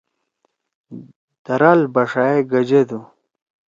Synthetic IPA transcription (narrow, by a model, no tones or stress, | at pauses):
d̪̥ɐɾalbaʂaeɡɐd͡ʑed̪u